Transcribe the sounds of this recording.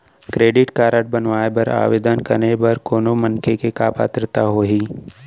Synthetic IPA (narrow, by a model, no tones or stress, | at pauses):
kɾeːɖɪʈkaːɾəʈ̚bɐnʋaːebɐɾa̰ːʋeːd̪ənkɐɾnebɐɾkoːnomɐnkʰekekaːpa̰ːt̪ɾət̪aɦoːɦiː